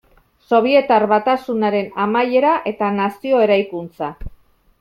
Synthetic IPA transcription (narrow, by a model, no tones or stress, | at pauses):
so̞β̞ie̞t̪aɾβat̪asunaɾe̞namaje̞ɾaʔe̞t̪anasio̞e̞ɾajkunt͡sa